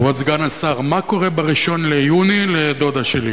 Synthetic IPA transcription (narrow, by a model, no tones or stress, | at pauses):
oat͡sɡanasaʁmako̞ʁebeʁiʃo̞nlejuniled̪o̞d̪aʃeli